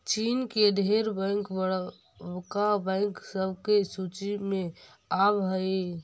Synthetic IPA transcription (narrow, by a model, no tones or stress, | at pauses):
t͡ʃinked̪ʱeɾbə̃ŋkbə | kabɛ̃ŋksəbʱkesut͡ʃime | abɦəj